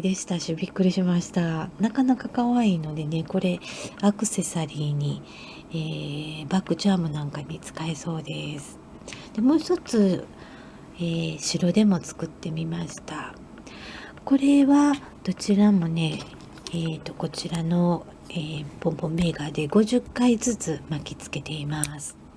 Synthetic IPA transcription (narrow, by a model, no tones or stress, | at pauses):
d̪eɕi̥t̪aɕibʲikːɯ̟ɾʲiɕimaɕi̥t̪anakanakakaβaino̞d̪e̞ne̞ko̞ɾe̞akɯ̟̥se̞saɾʲiːɲ̟i | eːbakːɯ̟t͡ɕaːmɯ̟nãŋkaɲ̟it͡sɨ̥kae̞so̞ːd̪e̞sɨ̥ | d̪̥e̞mo̞ːçi̥t̪o̞t͡sɨ | eːɕiɾo̞d̪e̞mo̞t͡sɨ̥kɯ̟t̪ːe̞mʲimaɕi̥t̪a | ko̞ɾe̞βa | d̪̥o̞t͡ɕiɾamo̞ne̞ | eːt̪o̞̥ko̞t͡ɕiɾano̞ | eːbõ̞mbõ̞mːe̞ɡaːd̪e̞ɡo̞ʑɨkːaid͡zɨt͡sɨmakʲit͡sɨ̥ke̞t̪e̞imasɨ̥